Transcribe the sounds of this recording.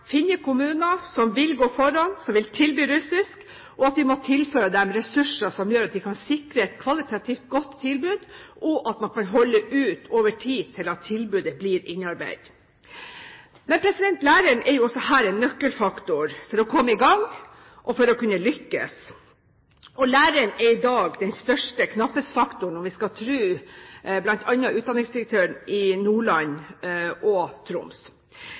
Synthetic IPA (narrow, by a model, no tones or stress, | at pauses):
fɪnəkʰʊmʉːnəsɔmʋɪlɡoːfɔɾɑnsɔmʋɪlt̪ʰɪlbyːɾʉsɪsk | ʔɔɑt̪ʋɪmɔt̪ʰɪlføːɾəd̪ɛmɾɛsʉʂəsɔmjøːɾɑt̪̚d̪ɪkʰɑnsɪkɾəɛt̪̚kʰʋɑlɪt̪ʰɑt̪ʰiːft̪̚ɡɔt̪ʰːɪlbʉːd̪ʔɔʔɑt̪mɑnkɑnɦɔlːəʔʉːt̪ʰoːʋəʈʰiːt̪ʰɪlɑt̪ʰːɪlbʉːd̪əbliːɾɪnːɑɾbɛ̰ɪd̪̥ | mɛnpʰɾɛsɪd̪ɛnt̪læːɾəɳʔɛɾjʊɔsːɔhæːɾɛnːœkːəlfɑkt̪ʊɾfɔɾɔkʰɔmːəɪɡɑŋː | ʔɔfɔɾɔkʉnːəlʏkːə̰s | ɔlæːɾəɳɛɾɪd̪ɑːɡd̪ɛnst̪œʂʈəkʰnɑpːəsfɑkt̪ʊɳ̩ɔʋɪskɑt̪ʰɾʉːblɑnt̪ʰɑnːɑʔʉːt̪d̪ɑnɪŋsd̪ɪɾɛk̚t̪ʰøːəɳɪnuːɭɑnʔɔt̪ʰɾʊ̰ms